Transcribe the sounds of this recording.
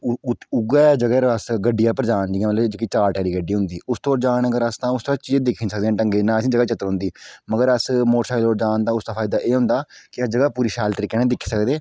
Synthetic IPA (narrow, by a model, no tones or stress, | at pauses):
ʊɡɛːd͡ʒəɡɛːɾəsɡəɖːɪjaːpəɾəd͡ʒ̪aːnd͡ʒɪɡãːmələd͡ʒəɡiːt͡ʃaːɾʈɛːɾiːɡəɖiːɦʊnd̪iːʔʊst̪oːɾd͡ʒaːnəɡəɾəst̪ãːʊst̪ɾãːt͡ʃiːed̪ɪkʰːnsəkd̪ẽːʈəŋɡeːnãːəsĩːd͡ʒəɡaːt͡ʃət̪əɾɦʊ̃nd̪iːməɡəɾəsmoːʈsaːɪloːɾd͡ʒaːnt̪ãːʊst̪aːpʰaːɪd̪aːʔeːɦʊ̃nd̪aːkɪəsd͡ʒəɡaːpuːɾiːʃaːlt̪əɾiːkːeːnãːd̪ɪkʰːi̥ːsəkd̪eː